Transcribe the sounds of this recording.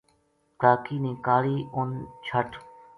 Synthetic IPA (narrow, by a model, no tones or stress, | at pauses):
kɾaːkiːniːkaːliːʊnt͡ʃʰəʈʰ